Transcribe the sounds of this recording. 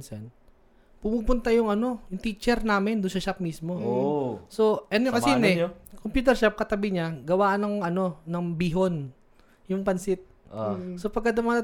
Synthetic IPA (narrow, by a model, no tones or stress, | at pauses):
nsɐn | pʊmuːpʊnt̪ajʊŋʔɐno̞jʊŋt̪iːt͡ʃɛɾnaːmɪnd̪ʊnsɐʃap̚mismo̞ | so̞ʔɛnokɐsiːnɛkompjuːt̪ɛɾʃap̚kɐt̪ɐbɪɲaɡɐwaːʔɐnɐkoŋɐno̞nɐŋbiɦo̞n | jʊŋpɐnsɪt̪̚sopɐɡ̚kːɐd̪ɐmɐat̪